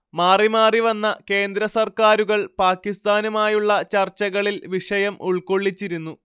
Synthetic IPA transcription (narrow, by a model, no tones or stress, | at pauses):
maːrimaːriʋɐnːɐke̞ːnd̪ɾɐsɐrkaːɾuɣɐɭpaːkːist̪aːnumaːjuɭːɐt͡ɕɐrt͡ɕːɐɣɐɭilʋiʂɐjɐmuɭko̞ɭːit͡ɕːiɾunːu